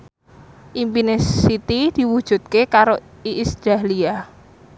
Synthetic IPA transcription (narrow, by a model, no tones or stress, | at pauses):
ʔimpinesːit̪id̪̥i̤wu̥ʒ̥ṳd̪̥̚kekaɾo | iʔːsʒalia